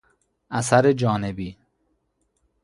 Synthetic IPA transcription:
ʔæsæɾed͡ʒɒːnebiː

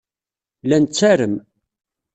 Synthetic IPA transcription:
lænt͡sːæɾəm

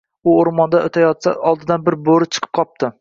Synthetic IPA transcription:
ʊoɾmɒnd̪aot̪ʰajɒt̪sa̰ɒlˠd̪ɪd̪anbɪɾboɾɪt͡ʃʰɨ̥qʰɨ̥p̚qʰɒp̚t̪ɪ

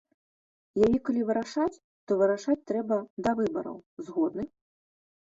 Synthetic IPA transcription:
jajɛkalʲivɨɾaʂat͡sʲ | t̪ɔvɨɾaʂat͡sʲt̪ɾɛbɐd̪ɐvɨbɐ̰ɾɐ̰wzɣɔd̪nɨ

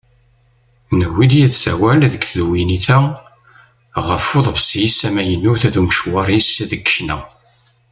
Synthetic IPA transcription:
nəwːiljiðsæ̰wælðəkðuwiniθæ | ʁəfoðˤvsjsæmæjənːuθæðumʃwɑɾˤisðəkːə̥ʃnæ̰

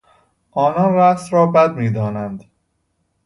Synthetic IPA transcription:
ʔɒːnɒnræsɾɒːbæd̪miːd̪ɒːnænd̪

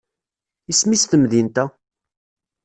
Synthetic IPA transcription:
ismisθəmðint̪æ

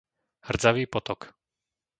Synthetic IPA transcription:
hr̩d͡zaʋiːpɔt̪ɔk

